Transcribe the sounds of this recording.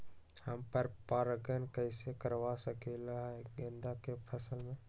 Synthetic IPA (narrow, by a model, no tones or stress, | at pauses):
həmpəɾpaːɾəɡənkəɪsekəɾʋasəkelaɦɡə̃nd̪akepʰəsəlmẽ